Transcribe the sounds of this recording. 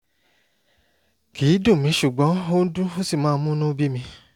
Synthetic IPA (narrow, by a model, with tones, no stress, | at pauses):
kiː˨˦dõ˦˨mĩ˨˦ʃu˨ɡ͡bɔ̃˨˦o˦n̩˦dũ˦o˦si˦˨mãː˦˧˦mũ˦nũ˦bi˦mĩ˧